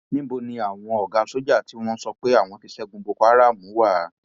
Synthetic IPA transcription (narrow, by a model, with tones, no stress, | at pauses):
nĩ˦bo˧nĩ˧a˨w̃ɔ̃˧ɔ˨ɡa˧so˦d͡ʒa˦˨ti˨˦w̃ɔ̃˦sɔ˧k͡pe˦a˦˨w̃ɔ̃˧ti˧sɛ˦ɡõ˧bo˧ka˦ɾa˦˨mũ˨˦wa˦˨˦